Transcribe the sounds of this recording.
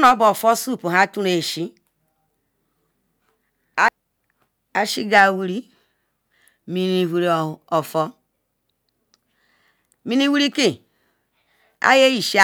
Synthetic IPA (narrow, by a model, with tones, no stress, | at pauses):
no˦bo˨fo˦su˦˨pu˨ɦa˦tu˦ɾe˨ʃi˦ | a˨ʃi˦ɡa˨wi˦ɾi˦ | mi˨ni˨wi˨ɾo˨fɔ˦ | mi˦ni˦wi˦ɾi˦ki˨ | a̰˦je˦ji˨ʃi˦a˦